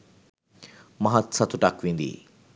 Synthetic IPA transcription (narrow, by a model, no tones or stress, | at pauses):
mɐɦɐt̪sɐt̪ʰuʈakʋĩnd̪ḭ